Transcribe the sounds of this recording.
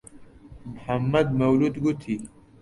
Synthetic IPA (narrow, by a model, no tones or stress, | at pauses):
mħɐmːɐd̪mɐwlud̪ɡut̪ʰi